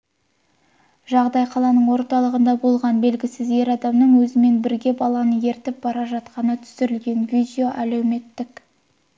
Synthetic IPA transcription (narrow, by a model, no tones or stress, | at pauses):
ʒɑʁd̪ɑjqʰɑlˠɑnəɴwo̞ɾt̪ɑlˠəʁənd̪ɑbo̞lˠʁɑnbe̞lɡʲɪsɪze̞ɾɑd̪ɑmnəɴwɵzɪme̞nbɪɾɡʲe̞bɑlˠɑnəje̞ɾt̪ɪp̚b̥ɑɾɑʒɑt̪qɑnət̪ʰʏ̥sɪɾɪlɡʲe̞nvʲid̪ʲejo̞ʔælewme̞t̪ːɪk